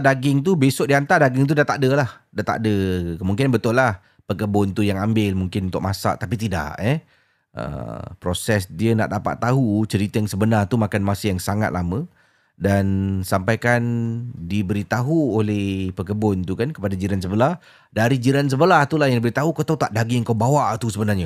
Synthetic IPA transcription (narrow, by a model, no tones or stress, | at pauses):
daɡɪŋt̪̬ubesoʔ̚diant̪ardaɡɪŋt̪̬udat̪aʔdəlah | daʔt̪a̰ʔdəkəmuŋk̬ɪanbət̪ʊlah | pəkəbʊnt̪ujaŋambɪlmuŋkɪnunt̪ʊ̰k̚masa̰ʔt̪apit̪ida̰ʔɛ | ʔə̰pɾosɛsdiəna̰ʔdapa̰t̪ːaɦut͡ʃəɾit̪ajaŋsəbənart̪umakanmasɪjaŋsaŋa̰t̪̚lʔamə̃ | dansampajkandibəɾit̪aɦuolɛhpəkəbʊnt̪ukankəpadad͡ʒiɾans̬əbəlah | daɾid͡ʒiɾans̬əbəlaht̪ulaɦjaŋdibəɾit̪aɦukat̪aut̪aʔdaɡiəŋkawbawaʔt̪usəbənarɲə